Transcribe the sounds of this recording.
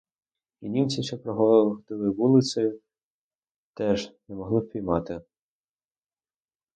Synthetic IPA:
inʲimt͡sʲiʃɛpɾɔɦɔd̪ɪlˠɪʋulˠɪsɐj | t̪ɛʒnɛmɔɦlˠɪpʲijmɑt̪ɪ

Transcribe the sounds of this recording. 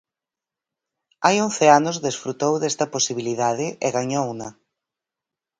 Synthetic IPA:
ajõnθeanʊzðesfɾut̪owðɛst̪ɐposiβ̞iliðaðɪʔeɣaɲownɐ

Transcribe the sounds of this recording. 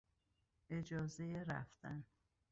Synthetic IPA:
ʔe̞d͡ʒɒːzejeɾæ̰ft̪æn

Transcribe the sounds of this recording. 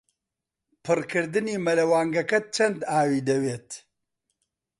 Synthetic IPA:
pʰɨrkɨɾd̪ɨniːmɐlɐwaːŋɡɐkɐt͡ʃʰɐnd̪aːwiːd̪ɐweːt̪

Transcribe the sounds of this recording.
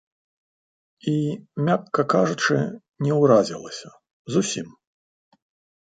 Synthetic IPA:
imʲakːɐkaʐut͡ʂɨ̰ | nʲɛwɾazʲilˠɐ̰sʲɐ | zusʲim

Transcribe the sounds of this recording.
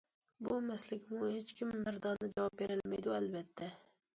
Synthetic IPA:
bumæslɪkʲmʊhet͡ʃkʲʰimːɪɾd̪ɑnːɪd͡ʒɛwɑp̚beɾɪlmæjd̪uælbɛt̪ʰːɛ

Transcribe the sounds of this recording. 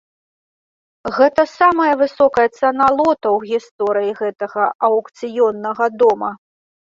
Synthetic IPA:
ɣɛt̪ɐsamɐjɐvɨsɔkɐjɐt̪sɛnalˠɔt̪ɐwɣʲist̪ɔɾɨjiɣɛt̪ɐɣɐʔɐwkt̪sɨjɔnːɐɣɐd̪ɔmɐ

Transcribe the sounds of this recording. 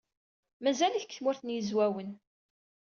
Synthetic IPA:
mæzæliçəkːθmʊɾθənjəzwæwən

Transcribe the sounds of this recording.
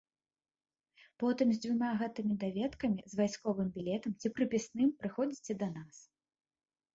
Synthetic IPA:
pɔt̪ɨmzʲd͡zʲvumʲaɣɛt̪ɨmʲid̪avʲɛt̪kɐmʲizvajskɔvɨmbʲilʲɛt̪ɐmt͡sʲipɾɨpʲisnɨmpɾɨxɔd͡zʲit͡sʲɛd̪ɐnas

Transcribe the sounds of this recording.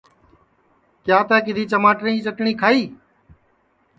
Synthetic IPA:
kjaːt̪aːkɪd̪ʱiːt͡ʃəmaːʈnĩːt͡ʃəʈɳiːkʰaːiː

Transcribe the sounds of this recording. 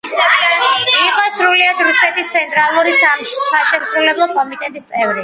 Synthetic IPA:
iqʼɔsɾuliad̪ɾusɛt̪ʰist̪sʰɛnt̪ʼɾalˠuɾissaʃɛmsɾulɛblˠɔkʼɔmit̪ʼɛt̪ʼist̪sʼɛvɾi

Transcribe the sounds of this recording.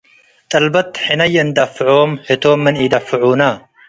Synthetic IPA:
t̪ʼɐlbɐt̪ħɪnɐjnd̪ɐfːɨʕoːmħɪt̪ʰoːmːɐniːd̪ɐfɨʕuːna

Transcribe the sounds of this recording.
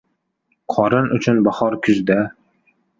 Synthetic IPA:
qʰɒɾɪnʔʊt͡ʃʰʊnbaχɒɾkʲʰʊzd̪a

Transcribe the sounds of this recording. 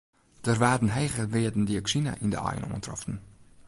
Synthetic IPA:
d̥ərʋaːdənɦɛjχəʋeədən̩diəksina̰ʔində̰a̰jə̰nɔ̰ːəntrɔ̰ftən̩

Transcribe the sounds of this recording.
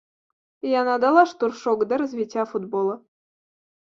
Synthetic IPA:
jɑnɑd̪ɑlˠɑʂt̪urʃoɡd̪ɑɾɤzvʲitʲːɑfud̪bolˠɤ̆

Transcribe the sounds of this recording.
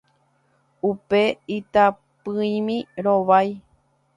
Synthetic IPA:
upe̞it̪a | pɨĩmĩɾoʋaj

